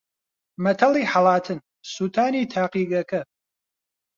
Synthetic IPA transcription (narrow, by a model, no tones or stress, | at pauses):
mɐtʰɐliːħalaːtʰɨn | suːtʰaːniːtʰaːqiːɡɐkʰɐ